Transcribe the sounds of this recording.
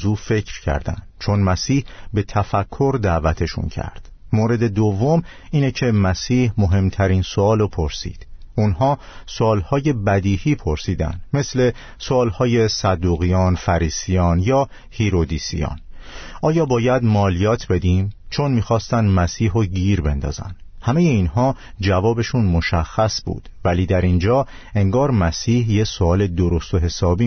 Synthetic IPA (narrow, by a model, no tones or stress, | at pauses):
zuːfe̞cʰɾcʰæ̰ɾd̪æ̰nd̪̥t͡ʃʰo̞nmæsiːhbe̞t̪ʰæfækʰːo̞ɾd̪æːvæt̪ʰe̞ʃṵncʰæ̰ɾd̪̥ | moɾe̞d̪e̞d̪ovːo̞m | iːnecʰe̞mæsiːhmoɦe̞mt̪ʰæɾiːnsoɒːlopʰoɾsḭːd̪̥unɦɒː | soːlhɒːje̞bæd̪iːhiːpʰo̞ɾsiːd̪æ̰nd̪̥me̞sle̞ | soːlhɒːje̞sæd̪ːuːɣijɒːnfæɾiːsijɒːnjɒː | hiɾod̪iːsḭjɒ̰ːnʔɒːjɒːbɒːjæd̪mɒːlijɒːt̪ʰbe̞d̪iːmt͡ʃʰo̞nmiːxɒːst̪ænd̪mæsiːɦoɟiːɾbe̞nd̪ɒ̰ːzæ̰nd̪̥hæme̞jeiːnɦɒː | d͡ʒævɒːbe̞ʃunmo̞ʃæxːæsbṵːd̪̥væliːd̪æɾind͡ʒɒː | e̞ŋɡɒːɾmæsiːhjesoɒːle̞d̪oɾost̪oɦe̞sɒːbi